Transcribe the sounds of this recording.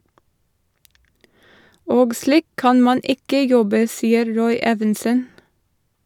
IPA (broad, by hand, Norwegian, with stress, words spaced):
ˈoːɡ ˈsliːk ˈkɑn ˈmɑn ˈɪkə ˈjɔbə ˈsiːəɾ ˈɾɔʏ ˈeːʋɛnsən